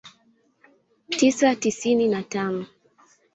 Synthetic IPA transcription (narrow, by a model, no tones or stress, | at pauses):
tisatisininatanɔ